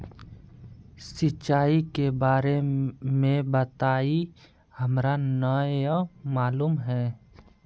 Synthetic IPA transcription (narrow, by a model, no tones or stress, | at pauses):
sɪt͡ʃːaːikebaːɾemẽbət̪aːi | hɐmɾanəjamaːluːmɦɛː